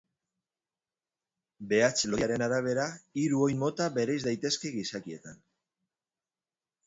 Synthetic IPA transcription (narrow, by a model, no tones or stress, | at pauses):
be̞at͡slo̞jaɾe̞naɾaβ̞e̞ɾaiɾuo̞jmo̞t̪aβe̞ɾajzd̪ajt̪e̞ske̞ɣisakie̞t̪an